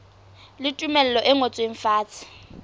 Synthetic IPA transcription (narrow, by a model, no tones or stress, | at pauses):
lɪtʼumɛlɛlɔʔɛŋot͡sʼweɱ̩faːt͡sʰʼɪ̥